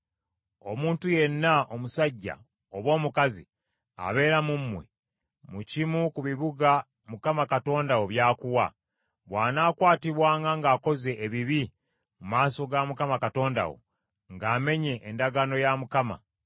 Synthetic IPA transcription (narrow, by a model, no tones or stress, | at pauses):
o̞muːntuje̞nːaʔo̞musaɟːa̰ | oβo̞ːmukazḭ | a̰βe̞ːɾamumːwḛ | mucimukuβiβuɡa | mukamakato̞ːndawoβjaːkuwa̰ | βwaːnaːkwaːtiβwaːŋɡaŋɡaːko̞ze̞ʔːβiβi | mumaːso̞ɡamukamakato̞ːnda̰wo̞̰ | ŋɡaːme̞ɲe̞ʔːndaɡano̞jamukama̰